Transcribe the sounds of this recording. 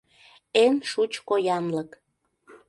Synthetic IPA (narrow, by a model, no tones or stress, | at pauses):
enʃut͡ɕkojɑnlək